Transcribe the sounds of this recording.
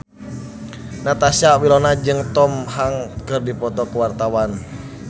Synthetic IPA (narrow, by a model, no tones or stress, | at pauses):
nat̪asawilɔnad͡ʒɨŋt̪ɔmhaŋkɨrdipɔt̪ɔkəwart̪awan